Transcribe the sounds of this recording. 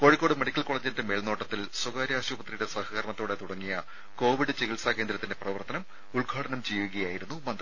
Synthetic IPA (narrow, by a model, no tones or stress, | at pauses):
koːɻikʲːo̞ːɽɨmeɽikʲːɐlko̞ːɭeːd͡ʑindemeːɭnoːʈːɐt̪ːilsuɡaːɾiaːɕuːbɐt̪rijuɽe̞sɐhɐkɐrmɐt̪ːuːɽe̞t̪uɽɐŋːijɐ | ko̞ːʋiɽɨt͡ɕeɣilsaːke̞ːnd̪ɾɐt̪ːinde̞prɐʋɐrt̪ɐnɐm | uɭɡʱaːɽɐnɐmt͡ɕejʋuɣɐjaːjiɾunːumɐnd̪rɐ